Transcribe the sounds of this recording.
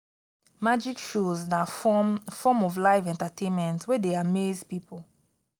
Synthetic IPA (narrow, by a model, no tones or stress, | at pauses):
mad͡ʒikʃozda | fɔmɔvlaɪvɛ̃ntatʰẽnmɛ̃ntwedeamezpipl